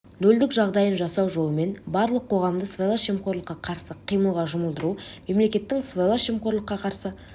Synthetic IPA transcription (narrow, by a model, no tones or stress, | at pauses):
nɵld̪ɪkʒɑʁd̪ɑjənʒɑsɑwʒo̞lˠəme̞nbɑɾlˠəqʰːo̞ʁɑmd̪əsvelˠaʃemqoɾlˠəqːɑqʰɑɾsəqʰijməlˠʁɑʒʊməlˠd̪əɾume̞mle̞kʲe̞t̪ːɪŋsvelˠaʃemqo̞ɾlˠəqːɑqʰɑɾsə